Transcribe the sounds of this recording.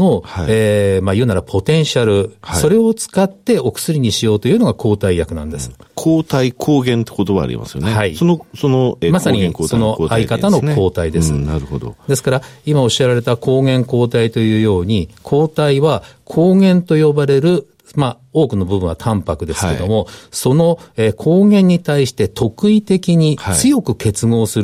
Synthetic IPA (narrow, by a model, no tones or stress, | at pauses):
no̞haeːmajɯ̟ːnaɾapʰo̞t̪ẽ̞ɰ̃ɕiaɾɯ̟hso̞ɾe̞o̞t͡sɨ̥kat̪ːe̞o̞kɯ̟̥sɨɾʲiɲ̟iɕijo̞ːt̪o̞jiɯːno̞ɡakʰo̞ːt̪aijakɯ̟nã̰nd̪e̞sɨ̥kʰoːt̪aikʰoːɡẽ̞nt̪e̥kot̪o̞βa̰ːɾʲḭma̰sɨjo̰nehaisonosonomasaɲĩŋkːsono̞ʔaikat̪ano̞ko̞ːt̪aid̪e̞ssɨnaɾɯ̟hod̪o̰d̪e̞sɨ̥kaɾaimao̞ɕieɾaɾe̞t̪akʰo̞ːɡẽ̞ŋko̞ːt̪ait̪o̞jɯ̟ːjo̞ːɲ̟ikʰo̞ːt̪aiβakʰo̞ːɡẽ̞nt̪o̞jo̞baɾe̞ɾɯ̟ | ma | o̞ːkɯ̟no̞bɯ̟bɯ̟ɰ̃βat̪ʰãmpakɯ̟d̪e̞sɨ̥kke̞̰d̪o̞mo̞so̞no̞eːkʰo̞ːɡẽ̞ɲ̟ːit̪aiɕi̥t̪e̞t̪ʰo̞kɯ̟it̪e̞kʲiɲ̟it͡sɨjo̞kɯ̟ke̞t͡sɨŋo̞ːsɨɾ